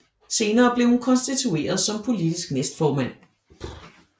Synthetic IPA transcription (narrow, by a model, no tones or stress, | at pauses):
se̝ːnɐːb̥le̝ʊhunkʰɒ̽nsd̥it͡sʰue̝̰ːɐð̞ˠsɒ̽mpʰo̝lid̥isɡ̥nesd̥fɒːmæn̰